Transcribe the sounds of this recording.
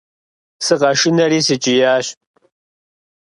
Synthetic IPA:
sɨqɐʂɪnɐɾiːsɨt͡ʃʼɪjaːɕ

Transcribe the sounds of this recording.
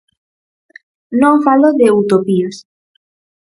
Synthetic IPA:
nõfalod̪eut̪opios

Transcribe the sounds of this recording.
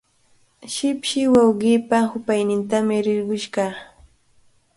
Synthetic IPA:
ʃɪpʃɪwawɢɪːpahʊpajnɪnt̪amɪɾɪɾɢʊʃɢɑ

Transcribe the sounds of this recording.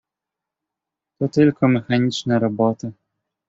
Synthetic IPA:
t̪ɔt̪ɘlkɔmɛxaɲʲit͡ʂnɛɾɔbɔt̪ɨ

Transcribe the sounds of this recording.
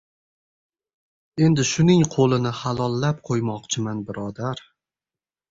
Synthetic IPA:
e̞nd̪ɪʃʊnɪŋqʰolˠɪnɪhalˠɒlˠːap̚qʰojmɒqt͡ʃʰɪmanbɪɾɒd̪aɾ

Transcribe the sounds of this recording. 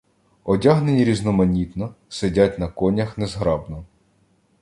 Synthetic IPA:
ɔdʲaɦnenʲiɾʲiznɔmɐnʲit̪nɔsedʲatʲnɐkɔnʲɐxnezɦɾɑbnɔ

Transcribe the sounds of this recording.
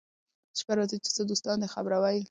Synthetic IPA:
ʃkaɾazit͡ʃe̥t͡səd̪ost̪ɑnd̪exabɾawaj

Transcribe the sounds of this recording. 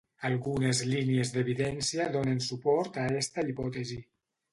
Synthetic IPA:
alˠɣunezliniezd̪eβiðɛnsiaðonensupɔɾt̪aɛst̪aipɔt̪ezi

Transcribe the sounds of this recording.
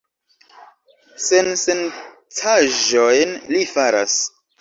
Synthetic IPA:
sensen | tʰaʒojnlifaɾa̰s

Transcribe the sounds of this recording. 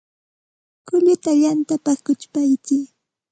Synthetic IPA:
kʊʎʊt̪aʎant̪apakʊt͡ʃpajt͡sɪː

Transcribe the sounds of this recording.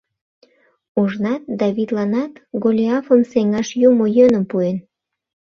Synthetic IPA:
uʒnɑt̪̚d̪ɑβid̪lɑnɑt̪ɡolʲiɑfəmseŋɑʃjumojønəmpuen

